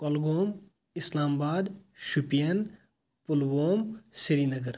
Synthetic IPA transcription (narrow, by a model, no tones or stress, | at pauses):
kɔlɡoːm | ɪslaːmbaːd̪ʃupijɐn | pʊlɡoːmsiɾiːnɐɡəɾ